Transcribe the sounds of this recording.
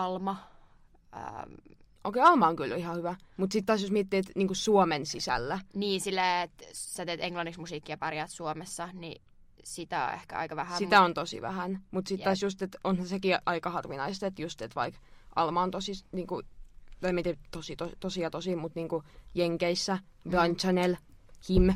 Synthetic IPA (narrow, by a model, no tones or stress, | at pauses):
ɑlmɑ | ə̰ | o̰ːˑkeiɑlmɑoŋkylihɑhyʋæmut̪sit̪ːt̪ɑːsjosmiet̪ːiːt̪niːŋkussuomensisæ̰lːæniːsilːæːet̪sæt̪eːt̪eŋlɑnːiksmusiːkːiɑpɑrjɑːt̪suomesːɑni | sit̪æo̰ḛhkæ̰ɑ̰ikɑʋæhæsit̪æont̪osḭʋæ̰hænmut̪sit̪ːɑːsjust̪et̪onhæsekiʔɑikɑhɑrʋinɑist̪et̪just̪et̪ʋɑ̰ikʔɑ̰lmɑːnt̪osiniːŋkut̪ɑimiet̪it̪osit̪ot̪osiɑt̪osimut̪niːŋkujeŋkeisːæʋɑnʲt͡ʃɑnelhim